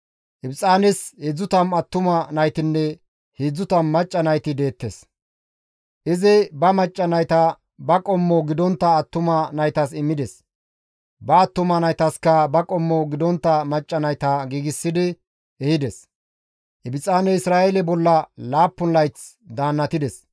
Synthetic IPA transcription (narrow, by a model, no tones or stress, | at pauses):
ʔɪbɪt͡sʼaːnɛshed͡zːʊt̪ɐmɐt̪ːʊmɐnɐjt̪ɪnːɛ | hed͡zːʊt̪ɐmmɐt͡ʃʼːɐnɐjt̪ɪd̪e̞ːt̪ːes | ʔɪzɪbɐmɐt͡ʃʼːɐnɐjt̪ɐ | bɐkʼɔmːɔɡɪd̪ɔnt̪ːɐːt̪ːʊmɐnɐjt̪ɐsɪmːɪd̪ɛs | bɐːt̪ːʊmɐnɐjt̪ɐskɐbɐkʼɔmːɔɡɪd̪ɔnt̪ːɐmɐt͡ʃʼːɐnɐjt̪ɐɡiːɡɪsːɪd̪ɪ | ɛhɪd̪ɛs | hɪbɪt͡sʼaːnɛɪsɾaːelɛbɔlːɐlaːpːʊnlɐjt͡s | d̪aːnːɐt̪ɪd̪ɛs